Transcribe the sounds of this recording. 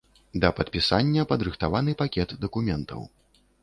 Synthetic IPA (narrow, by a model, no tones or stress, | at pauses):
d̪ɐpɐt̪̚pʲisanʲːɐpɐd̪ɾɨxt̪avanɨpakʲɛt̪d̪ɐkumʲɛnt̪ʰɐ̰w